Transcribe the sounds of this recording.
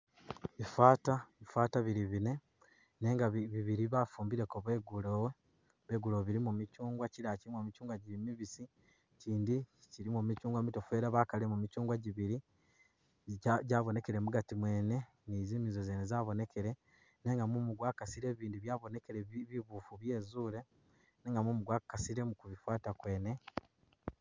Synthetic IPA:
βifaːtaβifwaːtaβiɾiβine̞ | ne̞ːŋɡaβiβiɾiβafuːmbiɾe̞koβwe̞ɡulowe | βe̞ːɡuloβiɾimumicuːŋɡwaciɾaciimomit͡ʃuːŋɡwaɟiɾimiβisi | ciːndiciɾimumit͡ʃuːŋɡwamito̞fwe̞ːɾaβakalemumit͡ʃuːŋɡwaɟiβiɾi | aɟaːβo̞ne̞ke̞ɾe̞muɡatimwe̞ːne̞ | nizimizozeːnezaːβo̞ne̞ke̞ɾe̞ | ne̞ŋɡamumuɡwaːkasiɾe̞βiːndiβjaβo̞ne̞keɾeβiβuːfuβje̞ːzuːle̞ | neːŋɡamumuɡwakasiɾe̞mukuβifwaːtakwe̞ːne̞

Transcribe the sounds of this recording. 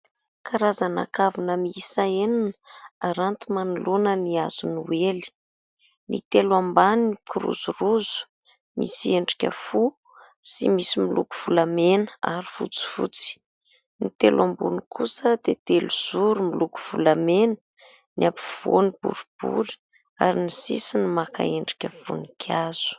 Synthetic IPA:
kaɾazana̰kavunəmiisaenanə̥aɾant̪umanulunəniaz̥unuweli̥ | nḭt̪elwambaniikʰiɾṵzuruzu̥ | mḭsieɳɖ͡ʐi̥kʲə̰fu | simisimiluku̥v̥ulamenəaɾifṵt͡si̥vṵt͡si̥ | nit̪elwambunikʰusəd̪̥et̪eluz̥uɾumiluku̥v̥ulamenə̥ | niʔapi̥v̥o̰nib̥ṵɾub̥ṵɾi̥ | a̰ɾinisisinimaka̰eɳɖ͡ʐi̥kʲəfṵnikʰaz̥u̥

